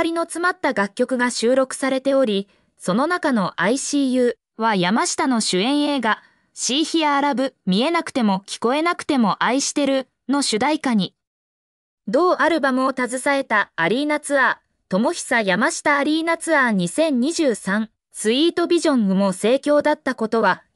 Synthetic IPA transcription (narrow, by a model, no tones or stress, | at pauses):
aɾʲino̞t͡sɨmat̪ːaɡakʲːo̞kɯ̟ɡaɕɨːɾo̞kɯ̟̥saɾe̞t̪e̞o̞ɾʲi | so̞no̞nakano̞ʔaiɕiːjɯ̟ː | β̞ajamaɕi̥t̪ano̞ɕɨẽ̞ɰ̃e̞ːɡa | ɕiːçiaːɾabɯ̟mʲie̞nakɯ̥t̪e̞mo̞kʲi̥ko̞e̞nakɯ̟̥t̪e̞mo̞ʔaiɕi̥t̪e̞ɾɯ̟ | no̞ɕɨd̪aikaɲ̟i | d̪o̞ːʔaɾɯ̟bamɯ̟o̞t̪azɨsae̞t̪aːɾʲiːnat͡sɨa | t̪o̞mo̞çi̥sajamaɕi̥t̪aːɾʲiːnat͡sɨaɲ̟isẽ̞ɲ̟ɲːiʑɨːsãɴ | sɨiːt̪o̞bʲiʑõ̞ŋɯ̟mo̞se̞ːkʲo̞ːd̪at̪ːako̞t̪o̞βa